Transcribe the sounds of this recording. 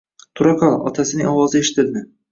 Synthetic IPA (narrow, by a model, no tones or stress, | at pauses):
t̪ʰʊɾakʰɒlˠɒ̰t̪ʰasɪnɪŋɒwɒzɪeʃɪ̥t̪ʰɪld̪ɪ